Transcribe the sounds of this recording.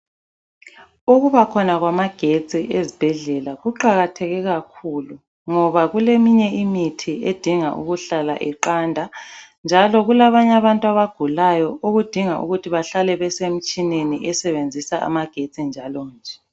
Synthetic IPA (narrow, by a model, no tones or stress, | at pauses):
uɣuβakʰɔnaɣwamaɡ̥ʱet͡sʼiʔezib̥ʱɛɮɛlaɣuǃaɣatʰɛɣɛɣakʰulu | ŋɔβaɣulemiɲɛimitʰied̥ʱiŋaʔṵɣuɬala̰ʔɛǃandʱand͡ʒʱalɔɣulaβaɲaβantʼwaβaɡ̥ʱulajɔoɣud̥ʱiŋaʔṵɣutʰiβaɬalɛβɛsem̩t͡ʃʼineniʔɛsɛβend͡zʱisaʔa̰maɡ̥ʱet͡sʼind͡ʒʱalɔːnd͡ʒʱɛ